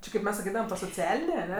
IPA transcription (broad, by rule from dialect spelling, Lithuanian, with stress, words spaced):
ˈt͡ʃʲɪ kɐɪp ˈmʲɛs sɐˈkʲiːdɐʋɐm toː soːˈt͡sʲæːlʲɪnʲeː ɐˈnʲɛ